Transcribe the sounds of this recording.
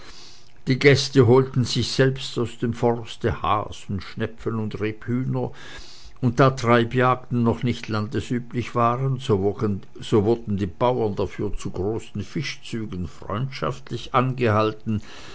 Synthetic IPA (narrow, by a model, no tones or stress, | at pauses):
d̥iːɡɛstəɦoːltn̩zɪçz̥ɛlpstaʊsd̥eːmfɔʁstəha̰ːsʊntʃnɛpfənʊndʁeːphyːnɐ | ʊnt̚d̥aːtʁ̥aɪbjaːk̚tn̩ːɔχnɪçtʰlandəsʔyːplɪçv̥aːʁən | z̥oːvʊɐdn̩diːb̥aʊɐndafyːɐt͡suɡʁoːsn̩fɪʃt͡syːɡən̩fʁ̥ɔ̰ʏntʃa̰ftlɪçʔanɡəhaltn̩